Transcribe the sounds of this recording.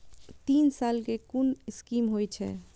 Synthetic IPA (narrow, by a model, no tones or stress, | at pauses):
t̪iːnsaːlkekunɪskiːmɦojt͡ʃʰɛ̰ː